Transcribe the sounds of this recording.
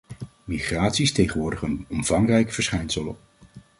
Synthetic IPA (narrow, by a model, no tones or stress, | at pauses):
miχraːtsistejχənʋʊːɹdəχənɔmv̥ɑŋrɛjkəv̥əɹsχɛjnsəlɔp̚